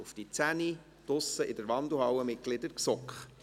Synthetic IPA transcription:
ufd̥it͡sæni | d̥ʊsəʔɪdəɾʋɑnd̪l̩hɑwəmɪt̚ɡ̥lɪdəɾksɔkχ

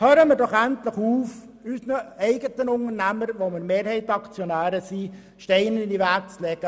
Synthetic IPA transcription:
høːɾəmɪɾdɔχænt̪ləχuːf | ysnəɛɪɡət̪ənʊŋəɾnæməɾʋomɪɾmeːɾhɛɪt̪ɑkt͡sjɔnæːɾəsi | ʃtɛɪnənɪniʋæɾk̚t͡slɛɡ̥ə

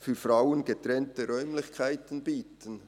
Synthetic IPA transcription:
fyːfraʊənɡətɾɛntəɾœʏmlɪçkʰaɪtən̩biːtən

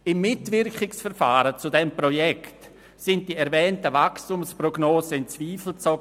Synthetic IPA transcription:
ɪmːɪtvɪɾkɪksfɛɾfaːɾət͡sudɛmpʁojɛkt | sɪnt̚d̥iːɛɾvɛːntəvakstumspʁoɡnoːsəɪnt͡sviːfl̩t͡soɡ

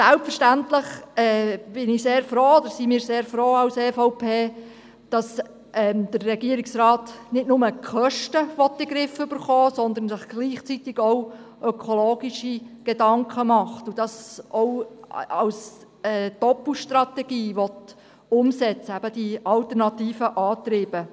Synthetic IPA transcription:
sælpfəʃtæntləχɛːb̥ɪnɪseːɾfɾoːɔd̪əɾsimiːɾseːɾfɾoːɑʊsɛfɔʊpʰeː | d̥ɑs | ɛmd̪̥ərːɛɡiːɾɪksrɑːtnɪtnʊməkʰœʃtəʋɔt̚b̥eɡɾɪfʏb̥əɾχɔːsɔnd̪əɾnsɪχɡ̥liːχt͡sitɪɡ̥ɔʊʔœkʰɔloːɡiʃiɡ̥edɑŋkʰχəmɑχtud̥ɑsɔwɑws | ɛːd̥ɔpəʃtrɑtɛɡ̥iːʋɔt̪ | ʊmsɛt͡səæb̥əd̥iɑltəɾnɑtiːfəʔɑːt̪ɾiːb̥ə

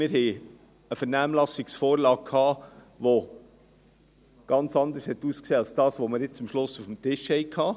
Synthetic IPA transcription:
mɪɾɦɛɪ | əfəɾnæːmlɑsiksfoːɾlɑːk̚kʰhɑː | ʋo | ɡ̥ɑnt͡sɑnd̪əɾshɛt̪ːuːskseːɑlsd̥ɑːsʋoməɾjɪt͡st͡sʊmʃlʊsufm̩t̪ɪʃhɛɪkʰhɑː

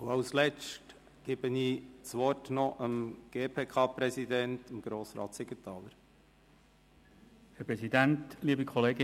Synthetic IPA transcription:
ʊɑwslɛt͡st | ɡ̥eːb̥əniːt͡sʋɔrtnɔʔəmɡ̥eːpʰeːkʰɑːpɾɛsid̪ɛntəmɡ̥ɾoːsɾɑ̰ːtsɪɡətʰɑːləɾ | hɛɾpʁɛsidæntliːbikʰɔleːɡɪ

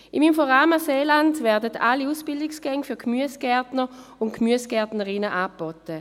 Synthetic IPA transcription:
ʔɪmimfɔʁaːməseːlandvɛɐdətʰalːiuːsb̥ɪldɪksɡ̥ɛŋfyɐkmyəsɡ̥ɛɐtnəʊntkmyəsɡ̥ɛɐtnəʁɪnəʔaːb̥ɔtə

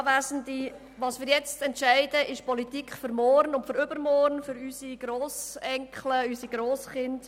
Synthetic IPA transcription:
væːzəndi | ʋɑːsʋɪːɾjɛt͡stɛntʃɛɪdəʔɪʃpɔlitikχfʏɾmɔːɾnʊntfəɾʏbəɾmɔːɾnfʏɾysiɡ̥ɾoːsɛŋkχləysiɡɾoːsχɪnt

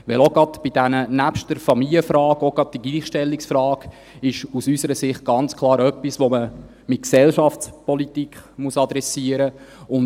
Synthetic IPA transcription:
ʋɛloɡɑdb̥id̥ænənæpʃtəɾfɑmiliəfɾɑːɡoɡɾɑd̥̚d̥iɡ̥liːχʃtɛlːiksfɾɑːɡ̥ | ɪʃusysəɾəsɪχt̚ɡ̥ɑnt͡skʰlˠɑːɾœpːisʋomə | mɪt̚ksɛlʃɑft͡spɔlitikχmuəsɑd̪ɾɛsiəɾəʊn

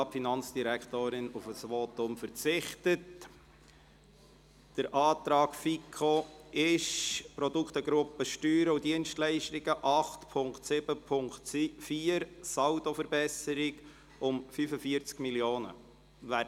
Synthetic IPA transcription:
ɑpfinɑnt͡sd̥iɾækχt̪oːɾɪnufəsʋɔt̪ʊmfəɾt͡sɪχtət | d̥əɾʔɑːt̪ɾɑːkfikʰoɪʃpɾɔdukχt̪əɡɾʊpːəʃtyːɾəudiənʃtlɛɪʃtiɡ̥əʔɑχtpʰʊŋktsɪbəpʰʊŋktfiːəɾsɑwdofəɾbɛsəɾɪɡ | ʊmfyfəfiəɾt͡skmiljoːnə̰ | ʋæ

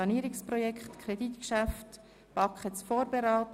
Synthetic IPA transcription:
ɑniːɾɪksprɔjɛkχtkʰɾeditkʃaft | b̥ɑkχət͡sfɔːɾbeɾɑːt

